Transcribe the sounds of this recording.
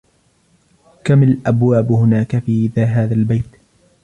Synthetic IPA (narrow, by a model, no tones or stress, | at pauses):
kamalʔabwaːbhʊnaːkafiːʔɪðaːɦaːðalbajt̪